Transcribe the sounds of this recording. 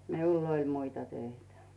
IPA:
miulː olʲ muitɑ tøitæ

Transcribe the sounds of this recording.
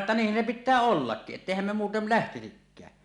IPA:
tːɑ niːhˑæn se pitːæː olːɑkːiʔ ʔetːeˑihæm me muːtel læhtisikːæː

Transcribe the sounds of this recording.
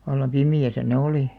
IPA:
ʋɑlːɑm pimiæsæ ne oliˑ

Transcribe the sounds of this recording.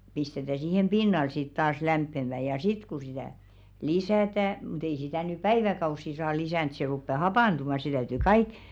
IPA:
pistetæ siːhem pinːɑl sit tɑːs læmpːemæ jɑ sit ku sitæˑ lisæˑtæ mŭt ei sitæˑ ny pæiʋækɑusːi sɑː lisæˑnt se rupːe hɑpɑˑntumɑˑ se tæytyˑ kɑik

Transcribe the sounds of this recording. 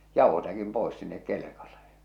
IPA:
jɑˑuhosækim poˑis sinːek kelekɑle

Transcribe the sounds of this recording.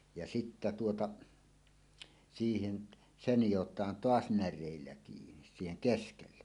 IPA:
jɑ sitːæ tuotɑ siːhen se nijotˑɑːn toɑs nærˑeˑilːæ kiːnis siːheŋ keskelːe

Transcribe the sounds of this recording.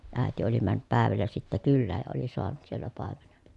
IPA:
æˑeti oli mænːyp pæˑeʋælːæ sitːæ kylːæːj jɑ oli soɑnut sielːæ pɑˑemenen̥

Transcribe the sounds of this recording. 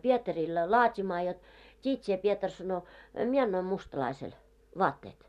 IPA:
pietɑril lɑːtʲimɑː jot tʲiːt sie pietɑr sɑno mie ɑnːoim mustɑlɑisel ʋɑːtːeːt

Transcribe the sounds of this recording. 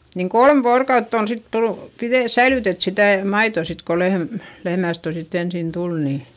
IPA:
niŋ kolm ʋoːrokɑutː on sit tulu̥ piðeˑ sæilytet sitæˑ mɑitoˑ sit ko lehm lehmæˑst oteˑtːi ensin tul niː

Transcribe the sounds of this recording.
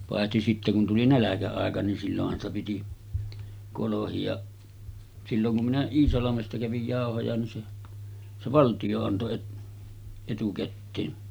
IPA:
pɑˑehti sitːe kun tuli nælækæɑˑekɑ nin silːohːɑn stɑ piti kolohiɑʔ silːoŋ kum minæ iːsɑlɑmestɑ kæʋij jɑˑohojɑ nin se se ʋɑltij̆o ɑnto et etukætːeːn

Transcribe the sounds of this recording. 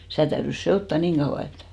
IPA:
sitæˑ tæyrys seotːɑ niːŋ ɡ̊ɑuw̆ɑ et

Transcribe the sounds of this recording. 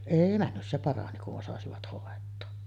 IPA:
eˑi mænːy se pɑrɑni kuʔ ʔosɑsiʋɑt hoˑetˑoː

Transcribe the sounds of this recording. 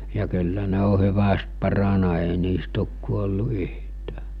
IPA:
jɑ kylːæ ne o hyʋæst pɑrɑnɑ eˑi niːst oˑk kuolːu yhtæː

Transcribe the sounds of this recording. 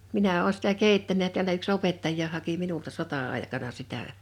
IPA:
minæ oː sĭtæ keˑitːænæ jɑ tiælæ yks opetːɑjˑɑː hɑki minultɑ sotɑɑˑe̝kɑnɑ sitæ

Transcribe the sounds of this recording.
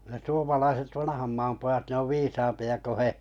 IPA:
ne suomɑlɑiset ʋɑnɑ̆hɑm mɑːm pojɑt ne oʋ ʋiːsɑːmpiɑ ko he

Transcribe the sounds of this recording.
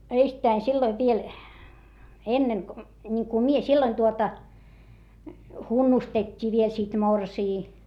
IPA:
eistæi silːoiʋ ʋiel enːeŋ ko nʲiŋku mie silːoin tuotɑ hunːustetʲːiː ʋiel sit morsiː

